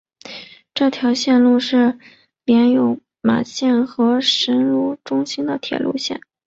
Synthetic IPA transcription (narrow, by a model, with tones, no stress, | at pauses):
ʈ͡ʂɤ˥˩t̪ʰjɑ˧˥ʊɕjɛ˥˧nlu˥˧ʂɻ̩˥˩ | pjɛ˧˥njo˧˥ʊ | ma̰˨˩ɕjɛ˥˩nxɤ˧˥ʂə˧˥nɻu˥˩ʈ͡ʂʊ˥ŋɕi˥nd̪ə˨t̪ʰjɛ̰˨˩lʔṵ˥˧ɕjɛ̰˥˩n